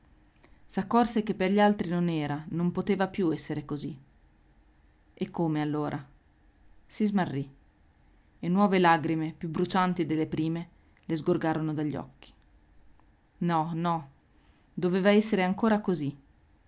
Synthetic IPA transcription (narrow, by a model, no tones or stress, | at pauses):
sakːɔrsek̟epːerʎalt̪ɾinonɛːɾanompot̪eːvapjuɛsːeɾekozi | ekʰːomealːoːɾʔa | sizmarːi | enːwɔːvelaɡɾimepjubɾut͡ʃant̪id̪elːepɾiːme | lezɡorɡaːɾonod̪aʎːɔ̰kːi̥ | nɔnɔ | d̪oveːvaɛsːeɾeaŋkoːɾakozi